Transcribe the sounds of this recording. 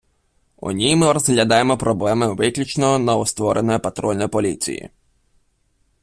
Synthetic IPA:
ɔ̰nʲimɪɾɔzɦlʲɐd̪ɑjemɔpɾɔblˠɛmɪʋɪklʲut͡ʃnɔɔnɐɔst̪ʋɔɾʔenɔjɔpɐt̪ɾɔlʲnɔjpɔlʲḭt͡sʲḭjḭ

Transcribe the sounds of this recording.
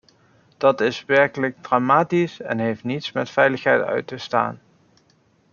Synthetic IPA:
d̥ɑtɪsʋɛɹkələɡ̚dramaːtisɛ̰nɦejftnitsmɛtfɛjləχɦɛjtœ̰ɥtəsta̰ːn

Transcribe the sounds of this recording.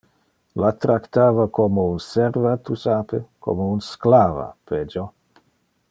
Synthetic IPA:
lat̪ɾakt̪aːvakʰomounsɛrvat̪usaːpekʰo̰mounsklaːva̰ped͡ʒo

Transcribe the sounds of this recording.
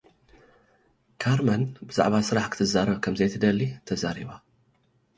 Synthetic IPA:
kʰaɾmɐnbɨza̰ʕβasɨɾaħkʰɨ̥t̪ʰɨzaɾɐβkʰɐmzɐjt̪ʰɨd̪ɐlːit̪ʰɐzaɾḭβa

